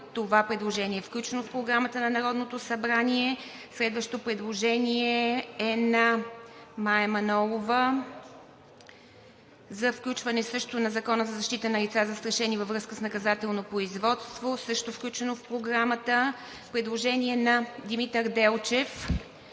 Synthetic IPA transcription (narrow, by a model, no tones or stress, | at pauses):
t̪ovapɾɛd̪lˠoʒɛniɛːfklʲut͡ʃɛnofpɾoɡɾamət̪ənɐnɐɾɔd̪not̪osɐbɾaniɛ | slɛd̪vəʃt̪opɾɛd̪lˠoʒɛniɛɛnɐ | maɛmɐnɔlˠovə | zɐfklʲut͡ʃvɐnɛsɤʃt̪onɐzɐkɔnəzɐzɐʃt̪it̪ənɐlit̪sazɐst̪ɾɐʃɛnivəvɾɤskəsnɐkɐzat̪ɛlˠnopɾoizvɔt̪st̪vosɤʃt̪ofklʲut͡ʃɛnofpɾoɡɾamət̪ə | pɾɛd̪lˠoʒɛniɛnɐd̪imit̪əɾd̪ɛlˠt͡ʃɛf